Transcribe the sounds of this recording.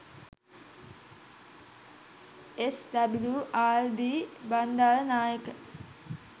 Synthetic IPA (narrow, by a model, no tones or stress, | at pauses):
esd̪abiluʔaːld̪iːband̪aːlənaːjəkə